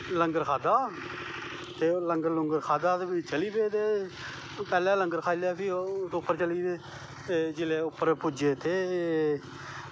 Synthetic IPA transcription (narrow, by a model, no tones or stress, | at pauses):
ləŋɡəɾkʰaːd̪aː | t̪eːləŋɡəɾlʊŋɡəɾkʰaːd̪aːt̪ebit͡ʃəliːbeːt̪eː | pɛːlɛːləŋɡəɾkʰaːilaːpʰiːsʊpːəɾt͡ʃəliːbeː | ed͡ʒɪleːʊpːəɾpʊd͡ʒeːt̪ʰeː